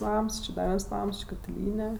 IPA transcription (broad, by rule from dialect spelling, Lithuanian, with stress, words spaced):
ˈnɐms t͡ʃʲɪ ˈdɐ ˈʋʲiɛns ˈnɐms ˈt͡ʃʲɪ kɐtʲɪˈlʲiːnʲɛ